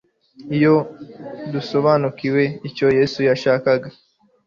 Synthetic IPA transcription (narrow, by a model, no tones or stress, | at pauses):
ijo̞ | duso̞βaːnukiwe̞ico̞je̞sujaʃaːkaɡa